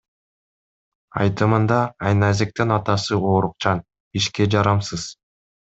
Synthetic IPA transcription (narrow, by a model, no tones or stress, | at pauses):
ɑ̰jt̪ɯmɯnd̪ɑːjnɑzek̚t̪inɑt̪ɑsɯoːɾuq̚t͡ʃɑn | iʃke̞d͡ʒɑɾɑmsɯz̥